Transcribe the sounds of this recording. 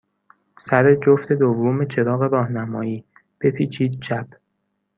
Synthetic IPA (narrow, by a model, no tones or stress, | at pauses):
sæɾed͡ʒoft̪e̞d̪ovːoːme̞t͡ʃʰe̞ɾɒːɣe̞ɾɒːhnæmɒːiː | b̥e̞pʰiːt͡ʃʰiːd̪̚t͡ʃʰæb